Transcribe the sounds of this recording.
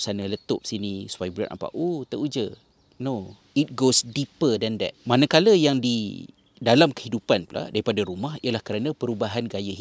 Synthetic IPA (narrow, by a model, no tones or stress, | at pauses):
sanələt̪ʊp̚sinisu̥pajibuɾa̰nʔa̰mpa̰ʔut̪əʔud͡ʒə | no | it̚ɡosdipədɛnd̪ɛ̰t̚manə̃kaləjaŋdi | dalamkə̥hidupanpla̰daɾipadaɾumaɦijəlahkəɾanãpəɾubaɦanɡajəɦi